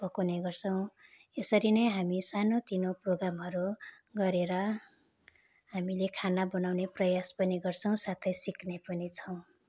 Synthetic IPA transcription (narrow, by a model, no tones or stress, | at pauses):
pʌkoneɡʌrt͡sʰʌw̃ | esʌɾinʌjɦamisanot̪inoproɡramɦʌɾu | ɡʌɾeɾʌ | ɦamilekʰanabʌnawneprʌjaspʌniɡʌrt͡sʰʌ̃w̃sat̪ʰʌjsiknepʌnit͡sʰʌw̃